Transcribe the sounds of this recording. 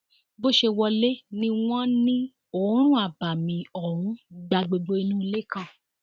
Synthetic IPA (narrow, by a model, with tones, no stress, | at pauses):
bo˦ʃe˧wɔ˧le˦nĩ˧w̃ɔ̃˦nĩ˦ | o˨˦ɾ̃ũ˦a˨ba˨mĩ˨ɔ˨ɾũ˨˦da˧ɡ͡be˧ɡ͡bo˧˦i˧nũ˦i˧le˦˨kã˦˨